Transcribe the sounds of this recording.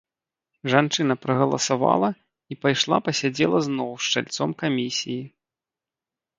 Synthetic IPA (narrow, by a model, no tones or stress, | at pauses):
ʐant͡ʂɨnɐpɾɐɣɐlˠɐsava̰lˠɐ | ipajʂlˠa̰pɐsʲad͡zʲɛlˠɐznɔwʂt͡ʂa̰lʲt̪sɔmkamʲisʲiji